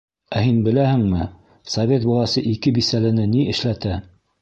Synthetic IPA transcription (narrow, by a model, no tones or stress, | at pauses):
æhinbɘ̆læhɘ̆ŋmɘ | sɐvʲet̪̚bɒlˠɑsɤʔikɘbisælɘ̆nɘniɘ̆ʃlæt̪æ